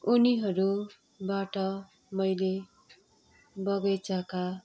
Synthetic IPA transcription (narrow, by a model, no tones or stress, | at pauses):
uniɦʌɾu | baʈʌ | mʌjle | bʌɡʌjt͡sʌka